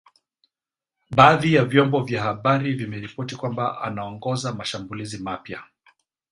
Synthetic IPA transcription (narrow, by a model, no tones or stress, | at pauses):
ɓaːðijavjɔmbɔvjahaɓaɾivimɛɾipɔtikwambaʔa̰naɔŋɡɔzamaʃambulizimapja